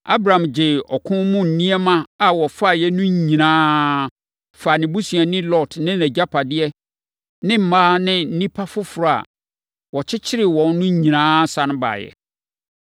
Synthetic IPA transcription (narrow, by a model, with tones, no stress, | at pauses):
a̰˦bɾã˨md͡ʑɪ˨ɔ˨kʰʊ̃˦mʊ̃˦n̩˨nĩ˦ɛ˦mã˦a˨wɔ˨fa˦˨jɛ˦nʊ̃˦ɲ˨ɲĩ˨nãː˦ | fa˨nɪ̃˨bu˦sɥa˨nɪ̃˦lɔ˦˨tnɪ̃˦nɛ̃˨d͡ʑa˦pʰa˨dɪ˦ɛ˦ | nɪ̃˦m̩˨maː˦nɪ̃˦n̩˦nĩ˦pʰa˦fʊ˦fʊ˨ɾa˨a̰˨ | wɔ˨t͡ɕʰɪ˦t͡ɕʰɪ˦ɾɪ˨wɔ̃˨n˦nʊ̃˦ɲ̩˦ɲĩ˨nãː˦sa˦nʊ̃˦ba̰˨jɛ̰˨